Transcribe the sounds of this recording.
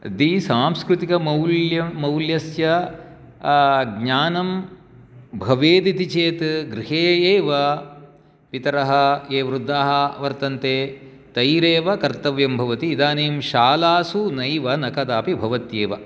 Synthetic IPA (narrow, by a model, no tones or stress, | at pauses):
d̪isaːmskɾut̪ikɐmɐwljɐmɐwljɐsjɐ | ɡɲaːnɐm | bʱɐʋeːd̪it̪it͡ʃeːt̪ɡɾiɦeːeːʋɐ | pit̪ɐɾɐɦɐeːʋɾud̪ʱːaːɦɐʋɐɾt̪ɐnt̪eː | t̪ɐjɾeːʋɐkɐɾt̪ɐʋjɐmbʱɐʋɐt̪iːd̪aːneːmʃaːlaːsunɐjʋɐnɐkɐd̪aːpibʱɐʋɐt̪jeːʋɐ